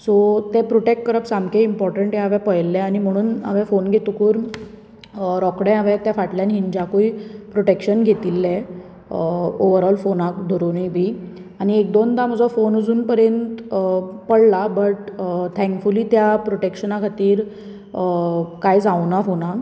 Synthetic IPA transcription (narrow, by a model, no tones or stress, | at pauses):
sot̪eɛpɾoʈekʈkəɾəpsamkeimpɔɾʈəɳʈɦẽaʋɛpəjlːɛ̃añim̤əɽ̃uːna̰ʋɛ̃fonɡʱet̪ukuːɾ | ɾɔkɽɛ̃aʋɛ̃t̪jafaʈljanɦiɲd͡ʑakuipɾoʈekɕənɡʱet̪ilːɛ | oʋəɾɔlfonak̚d̪ʱoɾonijbʱiː | añiek̚d̪ond̪am̤əd͡zɔfonəd͡zuːnpəɾjənt̪pəɽlabəʈt̪ʰɛ̃ŋkfuliːt̪japɾoʈekɕənãkʰat̪iːɾ | kajd͡zawnafona